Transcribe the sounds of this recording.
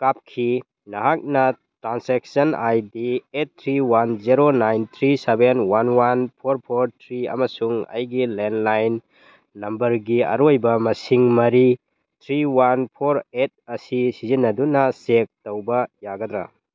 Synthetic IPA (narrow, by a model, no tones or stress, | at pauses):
kap̚kʰi | nɐɦak̚nɐ | tɾansek̚sɐnajdiet̚tʰːɾiwanziɾonajnt̪ʰɾisebenwanwanpʰoɾpʰoɾtʰɾiɐ̰mɐsuŋɐ̰jɡilenlajnː | ɐmbɐɾɡiɐ̰ɾojbɐmɐsiŋmɐɾi | t̪ʰɾiwanpʰoɾet̚ɐsisizinːɐdunɐsek̚towbɐjaɡɐd̪ɾa̰